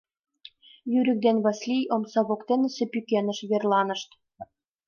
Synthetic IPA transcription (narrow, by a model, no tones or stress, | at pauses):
jyɾɘ̆k̚d̪enβɑslʲijomsɑβokt̪enɘ̆sɘ̆pykʲenə̆ʃβerlˠɑnɤ̆ʃt̪